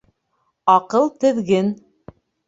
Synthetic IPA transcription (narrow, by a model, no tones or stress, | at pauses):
ɑqɤlˠt̪ɘ̆ðɡɘn